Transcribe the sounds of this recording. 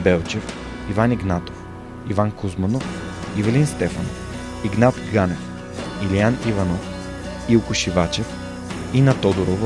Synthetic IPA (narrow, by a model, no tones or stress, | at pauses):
bɛlˠt͡ʃɛf | ivaniɡnat̪of | ivankuzmɐnof | ivɛlinst̪ɛfɐnof | iɡnat̪ɡanɛf | ilianivɐnof | iʊkʊʃivat͡ʃɛf | inɐt̪ɔd̪oɾov